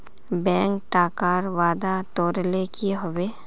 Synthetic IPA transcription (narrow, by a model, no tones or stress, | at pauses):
bɛ̃ːŋk̚ʈaːkaːɾʋaːd̪at̪oːɾlekʰiɦoweː